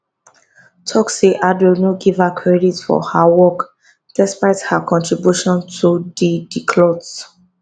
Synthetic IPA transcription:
tʰɔksiʔadwilnoɡiv̥hakʰɹɛditfɔ̰hawɔk | d̥ɛspaɪthakʰɔ̃ntɹibjuʃɔ̃ntʰudidikʰlɔds

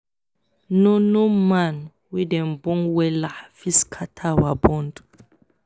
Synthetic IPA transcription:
nonoman | widɛmbɔŋwɛlahfiskʰatʰawabɔndu̥

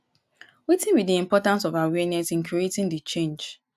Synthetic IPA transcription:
wetĩnwidiĩmpɔtãns̬ɔvawɛnɛsĩnkʰuetɪ̃ndit͡ʃẽnd͡ʒ

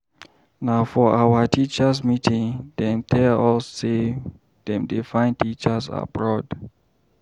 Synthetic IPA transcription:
naʊfɔawətit͡ʃəsmitʰĩŋdɛ̃mtʰɛɔsːe | d̥ɛ̃mdefãɪ̃ntit͡ʃəsa̰bɹɔd

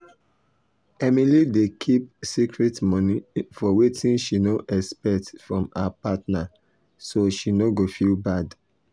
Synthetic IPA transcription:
ɛmilidekʰip̚sikʰɹɛtmɔnifɔwetʰĩnʃinoʔɛspɛktfɹɔ̃ma̰apatna | soʃinoɡofilbad

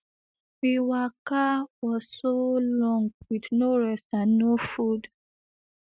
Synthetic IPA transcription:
wiwakawɔzsolɔ̃ŋɡwidnoɹɛstannofud

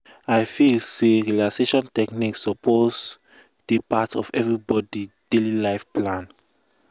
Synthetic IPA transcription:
ajfilseɹilakseʃɔ̃ntɛkniksɔpʰoz | d̥epatɔ̰fɛvɹibɔdid̥elilaɪfplãn

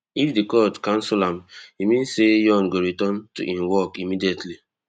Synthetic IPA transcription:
ifdikɔtkãn̩sulãmimĩnsejɔ̃nɡoɾitɔ̃ntuʔĩmwɔkimidietli

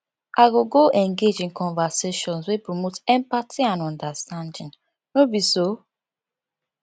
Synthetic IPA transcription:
aɡoɡoɛ̃ŋɡed͡ʒĩnkɔ̃nvaseʃɔ̃nswepɹɔmotɛ̃mpatʰiãnɔ̃ndastãndĩŋ | nobiso

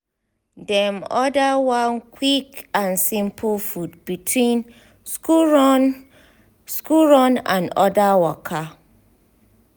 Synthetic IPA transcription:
dɛmɔdawãnkʰwikãnsĩmpʰlfudb̥itʰwĩn | skuɹɔ̃nã̰nɔdawɔkʰa

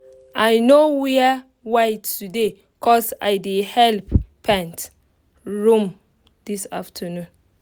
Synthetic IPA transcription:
ajnowɛ | wajtːude | kʰɔsajdehɛlppʰãnt | ɹũm | d̥isaftʰənũn

